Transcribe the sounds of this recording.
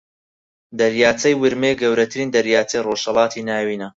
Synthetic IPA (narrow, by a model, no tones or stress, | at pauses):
d̪ɐɾjaːt͡sɐjwɨɾmeɡɐwɾɐt̪ʰɨɾiːnd̪ɐɾjaːt͡sɐjroʃhɐlɑːt̪ʰiːnaːwiːnɐ